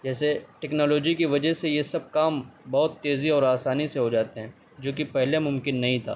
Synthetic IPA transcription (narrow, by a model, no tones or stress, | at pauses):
d͡ʒɛːseʈɛːknɔːloːd͡ʒikiʋɐd͡ʒəsejesɐb̚kaːmbɔɦʊt̪ːeːziɔːɾaːsaːniseɦod͡ʒaːt̪eɦɛ̃ː | d͡ʒoːkipɛɦlemʊ̃mkɪnːɐɦĩt̪ʰa̰ː